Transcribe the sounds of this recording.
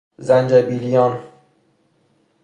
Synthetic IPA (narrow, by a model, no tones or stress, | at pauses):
zænd͡ʒæbilijɒn